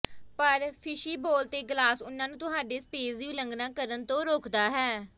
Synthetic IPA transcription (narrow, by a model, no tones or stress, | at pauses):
pəɾpʰɪʃiːboːlt̪eːɡlaːsʊnːãːnũːt̪ʊɦaːɖeːsəpeːziuːləŋɡnãːkəɾənt̪õːɾoːkʰd̪aːɦɛː